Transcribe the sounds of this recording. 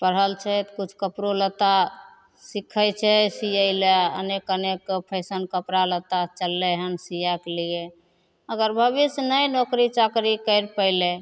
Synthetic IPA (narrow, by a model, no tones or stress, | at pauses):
pəɾ̤ɦəlt͡ʃʰɛt̪kut͡ʃʰkəpɾolət̪a | sikʰət͡ʃʰɛsijəleə̰nekənekpʰəɪsənkəpɾalət̪at͡ʃəlːɛɦənsijaklie | əɡəɾbʱəbisnəjnokɾit͡ʃəkɾikəɪɾpəɪlɛ